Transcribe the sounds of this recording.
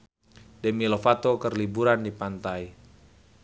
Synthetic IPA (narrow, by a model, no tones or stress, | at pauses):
dɛmilofat̪okərlibuɾandipant̪ai